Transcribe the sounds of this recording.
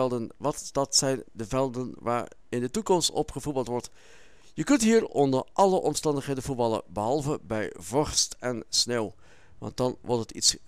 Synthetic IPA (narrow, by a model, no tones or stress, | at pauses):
ɛlˠdənʋɑtd̥ɑtsɛjndəvɛlˠdənʋa̰ːɹ | ɪndətukɔmstɔ̰pχəvubəltʋɔɹt | jəkɵntɦiːɹɔndəɹʔɑləʔɔmstɑndəχɦejdənvuɹbɑlə̰bəɦɑlˠvəbɛjvɑɹstɛnsneːw | ʋɑ̰nt̚dɑnʋɔɹtɦətḭts